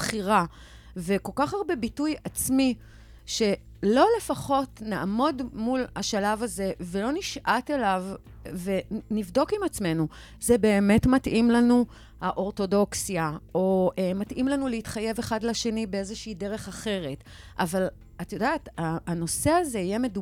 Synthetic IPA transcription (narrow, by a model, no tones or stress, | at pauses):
bχiʁa | veko̞lkaχaʁbe̞bitujat͡smi | ʃe̞ | lo̞le̞faχo̞tnaʔːmo̞dmulhaʃalavaze̞ve̞lo̞niʃʔatelav | ve̞nivdo̞kimat͡sme̞nu | zebe̞ːme̞tmatʔimlanu | haʔo̞ʁto̞do̞ksjaoʔematʔimlanuleitχaje̞veχadlaʃe̞nibeezeʃiideʁe̞χaχe̞ʁe̞t | ʔaval | atajodaetaːno̞se̞aze̞ijeme̞du